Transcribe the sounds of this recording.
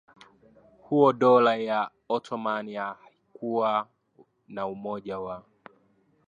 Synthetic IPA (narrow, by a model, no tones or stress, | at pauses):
huɔɗɔlaja | ɔtʰɔmaniahaikuwa | naumɔʄawa